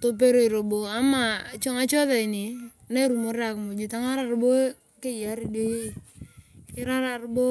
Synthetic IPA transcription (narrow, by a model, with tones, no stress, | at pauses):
to˦p̬e˦ɾo˦i˨ɾo˨bo˨a˦ma˨t͡ʃo˦ŋa˦t͡ʃo˦ða˨i˨ni˨ | na˦ɾu˨mo˦ɾa˨kmo˨d͡ʒu˨ta˦ŋa˦ɾa˨ɾbo˦ | ke˦d͡ʒa˨˦ɾi˨do˦je˦˨ | kɪ˦ɾa˦ɾa˨ɾbo˦